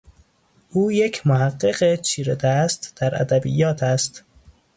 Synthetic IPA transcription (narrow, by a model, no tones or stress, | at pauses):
ʔuːjecʰmohæɢːeɢet͡ʃʰiːɾed̪æːst̪d̪̥æɾʔæ̰d̪æbḭjːɒːt̪ʰæst̪